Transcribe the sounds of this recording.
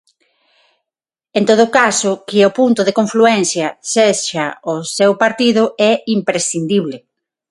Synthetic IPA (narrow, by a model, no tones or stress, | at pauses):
ent̪oð̞ʊkasʊkɪopunt̪ʊðekõɱfluɛn̟θjɐseʃaʊsewpaɾt̪iðʊɛimpɾesθind̪iβlɪ